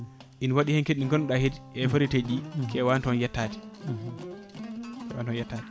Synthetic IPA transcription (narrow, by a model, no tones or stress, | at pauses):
ʔinwaɗihɛnkeɗiŋɡɔnɗahedʔɛfoɾited͡ʒikʰɛwantɔnjɛtːaːti̥ | kɛwa̰ntɔnjɛtːati̥